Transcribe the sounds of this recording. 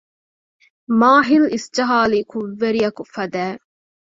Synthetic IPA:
maːɦilist͡ʃɐɦaːlikʰuʋːeɾijɐkufɐd̪æː

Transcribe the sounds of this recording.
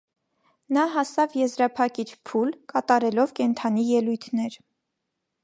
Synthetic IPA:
nɑɦɑsɑvjɛzɾɑpʰɑkit͡ʃʰpʰulkɑt̪ɑɾɛlɔvkɛnt̪ʰɑnijɛlujt̪ʰnɛɾ

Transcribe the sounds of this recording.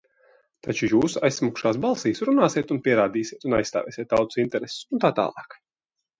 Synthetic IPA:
t̪at͡ʃujuːsajssmukʃaːs̬balˠsiːsɾunaːsiɛt̪unpʲiɛɾaːd̪iːsʲiɛt̪una̰jst̪a̰ːvʲɛ̰ːsieɛt̪t̪ːawt̪u̥sint̪ɛɾessunt̪aːt̪a̰ːlˠɑ̰ːk

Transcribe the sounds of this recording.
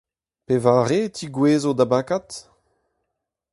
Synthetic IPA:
pevaːʁet̪ʰiɡweːzod̪abakat̪

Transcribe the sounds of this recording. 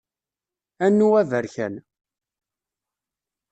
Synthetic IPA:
ænːuwævəɾçæ̰n

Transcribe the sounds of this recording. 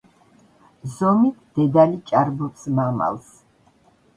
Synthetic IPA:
zɔmit̪ʰd̪̥ɛd̪alit͡ʃʼaɾbɔpsmama̰lˠs

